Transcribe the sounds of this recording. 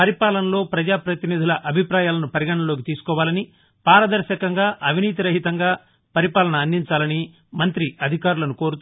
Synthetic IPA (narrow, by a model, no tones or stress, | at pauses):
pɐɾipaːlɐnɐlo̞ːpɾɐd͡ʒaːpɾɐt̪inid̪ʱulɐʔɐbʱipɾaːjaːlɐnupɐɾiɡɐɳɐlo̞ːk̬it̪iːsu̥kɔːʋaːlɐni | paːɾɐd̪ɐɾʃɐkɐŋɡaːʔɐʋʱiniːt̪̬iɾɐɦit̪ɐŋɡaː | pɐɾipaːlɐnɐːnd̪iɲt͡ʃaːlɐni | mɐnt̪ɾiʔɐd̪ʱikaːɾulɐnuko̞ːɾut̪